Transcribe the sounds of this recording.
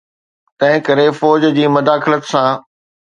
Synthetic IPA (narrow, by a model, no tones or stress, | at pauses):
t̪ɐ̃ɦɪ̃kɐɾefɔːd͡ʑd͡ʑiːmɐd̪aːxɪlət̪sãː